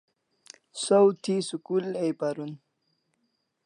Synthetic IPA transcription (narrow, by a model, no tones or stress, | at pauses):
sowt̪ʰisukulejpaɾun